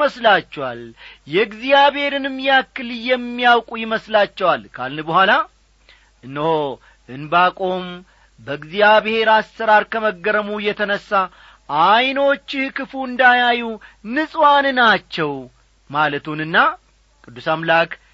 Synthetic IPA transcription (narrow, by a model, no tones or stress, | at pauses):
məslat͡ʃːɛwaljɛɡzijaβhe̞ɾɨnɨmːjɛakːɨljɛmːijawkʼujɪməslat͡ʃːɛwalkʰa̰lnɨbəhʷala | ʔɨnːəho | ʔɨnbakʼo̞m | bəɡzijaβhe̞ɾasːəɾaɾkʰəməɡːəɾəmujːɛt̪ʰənəsːa | ʔajno̞t͡ʃːɪhkɨfuɨnd̪ajajunɨsʼwanɨnat͡ʃːɛw | malət̪ʰunɨnːa | kʼɨd̪ːusamlak